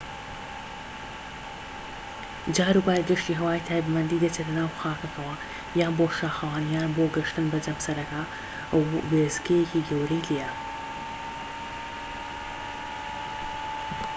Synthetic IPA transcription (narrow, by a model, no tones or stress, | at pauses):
d͡ʒaːɾubaːɾd̪ɨʃt̪iːɦɐwaːjt̪ʰaːjbmɐnd̪iːd̪ɐt͡ʃetlɐnaːwxaːkɐkɐwɐ | jaːboːʃaːxɐwaːnjaːnboːɡɨʃt̪ɨnbɐd͡ʒɐmsɐɾɐkaː | wweːzɡejeciɡɐwɾijlejɐ